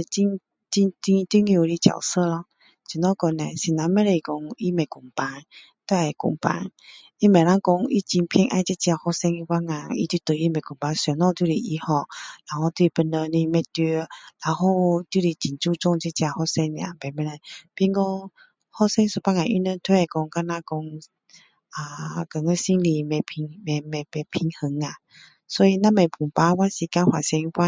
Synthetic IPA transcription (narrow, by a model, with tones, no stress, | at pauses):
t͡ɕi˧n | t͡ɕi˧t̪ĩ˧t̪i˦ŋjũ˨˧˨ɾi˧t͡ɕa̰˨˩wsə˥˧˨lɔ˧ | t͡ɕi˨nɔ˦˨kɔ˧na˨si˨na˨˧mẽ˦ɾe˧˨i˨kɔ˧ŋi˦mẽ˨˩ku˨˩ŋpa˧n | t̪a˦˧˩ɛ˨˩kṵ˨˩ŋpa̰˧˦n | i˦mẽ˨˩ɾa˦ŋkɔ˧ŋi˦t͡ɕi˧npʰɛ˧ŋʔa˧˨˧t͡ɕi˦t͡ɕja˧hɔ˧sɛ˧ŋi˧wa˦ŋa˨ḭ˧t̪ju˧˦t̪ə˨i˦mẽ˨˩ku˨ŋpa˧˦nsɔ˨˩nɔ̃˧t̪ju˧ɾi˧˩ʔi˧hɔ˧˩la˨˩hɔ˥˧t̪i˧pə˧nlə˧nĩ˧mɛ˧˩t̪i˧la˨hɔ˥˧˨t̪u˧˨li˧˩t͡ɕi˨nt͡su˥˧˨t͡sɔ˥˧˨ŋt͡ɕi˧t͡ɕja˧hɔ˧˨sɛ˧ŋne˧˨ʔa˨pɛ˨˩mɛ˧nə˧˦pi˧˨ŋkɔ˧ | hɔ˧˨sɛ˧ŋsu˧˦pa˧˨ŋa˨ʔi˧˦nə˧˨t̪ʰwe˧˨kɔ˧ŋka˧nã˧kɔ˧ŋ | a˨˩kə˨ŋə˧˦si˧˦ŋli˧mɛ˧˩pʰi˧ŋmɛ˧mɛ˧˩pɛ˧pʰi˧˦ŋhə˧˦ŋa˨ | sɔ˧˦i˧nã˦˧˥mẽ˨˩pʰu˨˩mpa˧wa˦nsi˨ka˧˦hwa˨sɛ˧ŋ˧fa˧˦